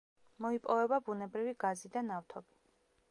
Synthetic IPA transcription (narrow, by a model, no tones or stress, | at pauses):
mɔipʼɔvɛbabunɛbɾiviɡazid̪anaft̪ʰɔb̥i̥